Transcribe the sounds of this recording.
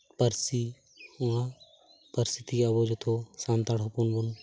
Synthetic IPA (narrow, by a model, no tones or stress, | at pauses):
pɐɾsi | uã | pɐɾsit̪iɐbod͡ʒot̪ʰosãːnt̪aɽopunbun